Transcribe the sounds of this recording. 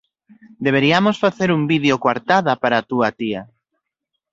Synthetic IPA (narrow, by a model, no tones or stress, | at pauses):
d̪eβ̞eɾiamosfaθeɾuŋbiðeokwaɾt̪aðɐpaɾat̪uat̪iɐ